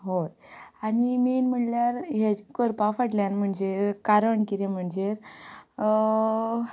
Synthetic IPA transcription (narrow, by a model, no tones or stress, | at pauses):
ɦojaniminm̤əɳljaɾɦekəɾpafaʈljanm̤əɳd͡ʑekaɾəɳkiɾem̤əɳd͡ʑeɾ